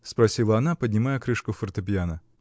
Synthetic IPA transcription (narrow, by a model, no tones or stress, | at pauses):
spɾɐsʲilˠəɐnapədʲnʲɪmajəkɾɨʂkʊfərt̪əpʲjanə